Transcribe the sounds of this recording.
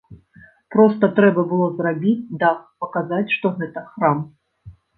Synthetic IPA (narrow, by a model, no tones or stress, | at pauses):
pɾɔst̪ɐt̪ɾɛbɐbɨlˠɔzrabʲit͡sʲd̪apɐkazat͡sʲʂt̪ɔɣɛt̪ɐxɾam